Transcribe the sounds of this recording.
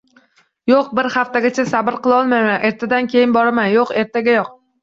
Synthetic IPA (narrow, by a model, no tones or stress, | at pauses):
joqbɪɾhaft̪aɡʲat͡ʃʰasabɪɾqɨlˠɒlˠmajmanʔe̞ɾt̪ʰad̪ankʲʰe̞jɪnbɒɾamanjoqe̞ɾt̪ʰaɡʲajoq̚